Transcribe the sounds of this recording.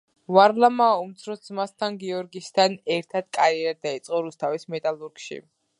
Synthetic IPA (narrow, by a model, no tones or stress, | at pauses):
vaɾlˠamaːumt̪sʰɾɔzmast̪ʰanɡiɔɾɡist̪ʰanɛɾt̪ʰad̪̥̚kʼaɾiɛɾad̚d̪ait̪sʼqʼɔɾust̪ʰavismɛt̪ʼalˠuɾɡʃḭ